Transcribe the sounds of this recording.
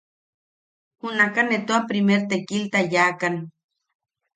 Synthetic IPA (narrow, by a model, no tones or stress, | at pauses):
hunakanet̪oapɾimeɾt̪ekilt̪ajaːkan